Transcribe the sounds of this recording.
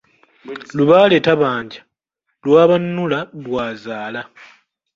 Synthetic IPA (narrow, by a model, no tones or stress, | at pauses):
luβaːle̞ːtaβaːɲɟḁ | lwaːβanːulalwaːzaːla